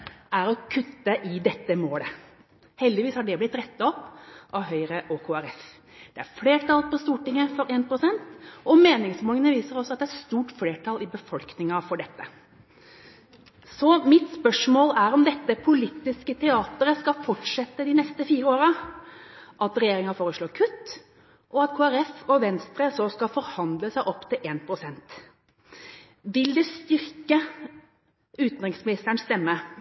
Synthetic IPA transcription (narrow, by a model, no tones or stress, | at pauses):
ʔæɾɔkʰʉt̪ːəʔɪd̪ɛt̪ːəmoːlə | hɛld̪ɪʋiːshɑɖɛblɪt̪ːɾɛt̪ːəɔpːʔɑɦœʏɾəʔoːkʰoːæɾɛf | d̪̥ɛæɾfleːʈʰɑlpɔst̪uːʈɪŋːəfɔɾɛːnpɾʊsɛnt̪ɔmeːnɪŋsmoːlənəʋiːsəɾɔsːɔɑt̪̚d̪ɛæst̪uːʈfleːʈʰɑlɪbəfɔlknɪŋɑfɔɖɛt̪ːə | sɔmɪt̪spœʂmoːlæɾɔmd̪ɛt̪ːəpʰʊliːt̪ːɪskət̪ʰɛɑːt̪əɾəskɑfɔʈʂɛt̪ːəd̪ɪnɛst̪əfiːɾəoːɾə | ʔɑt̪ɾɛjeːɾɪŋɑfoːɾəsloːkʰʉt̪ː | ʔɔɑt̪kʰoːæɾɛfɔʋɛnst̪ɾəsɔskɑfɔɾhɑnd̪ləsæɪʔɔpːt̪ʰɪlʔeːnpʰɾʊsɛnt̪ | ʋɪld̪ɛst̪ʏɾkə | ʉːt̪n̩ɾɪŋsmɪnɪst̪əɳst̪ɛmːə